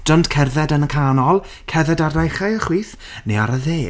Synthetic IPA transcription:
d̥ɔndkʰɛrðɛdənəkʰaːnɔlˠ | kʰɛrðɛdardajχajəχwiːθ | nejaɾəðeː

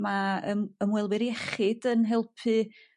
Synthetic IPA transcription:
maə̰məmwɛlˠwɪɾiɛχɪd̥ənɦɛlˠpʰɨ

